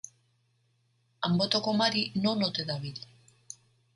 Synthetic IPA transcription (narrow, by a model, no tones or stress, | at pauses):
ambo̞t̪okomaɾino̞not̪eðaβil